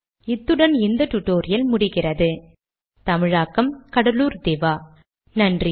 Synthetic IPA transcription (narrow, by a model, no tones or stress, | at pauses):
ɪt̪ːɯɽɐnɪnd̪ɐʈʊʈːoːɾɪjɐlmʊɽɪɣɪrɐðɯ | t̪ɐmɪɻaːkːɐmkɐɽɐluːɾd̪eːʋaː | nɐndri